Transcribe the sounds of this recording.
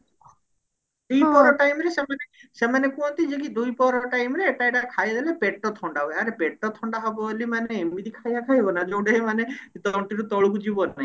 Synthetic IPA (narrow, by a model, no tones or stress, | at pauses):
d̪ujpɔɾɔʈajmɾesemanesemanekũɔ̃nt̪id͡ʒekid̪ujpɔɾɔʈajmɾeːʈajʈakʰajd̪elepeʈːɔt̪ʰɔɳɖabɔaɾepeʈːɔt̪ʰɔɳɖaɦɔbɔlimaneːmit̪ikʰajakʰajbɔnad͡ʒɔwɖeemanet̪ɔɳʈiɾut̪ɔɭukud͡ʒibɔnːai